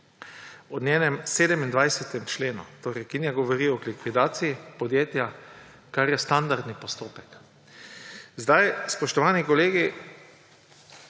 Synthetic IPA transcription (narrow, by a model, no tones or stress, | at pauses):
ɔnjɛːnɛmseːd̪ɛmind̪ʋajsɛt̪ɛmt͡ʃleːnṵt̪oːɾɛjkinjaɡɔʋɔɾiɔlikʋid̪aːt̪siipɔd̪jeːt̪ja | kaɾjɛst̪and̪aɾd̪nipɔst̪oːpɛk | zd̪ajspɔʃt̪ɔʋaːnikɔleːɡi